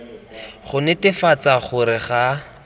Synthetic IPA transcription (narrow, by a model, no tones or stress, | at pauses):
χʊnɪtɪfat͡saχʊɾɪχa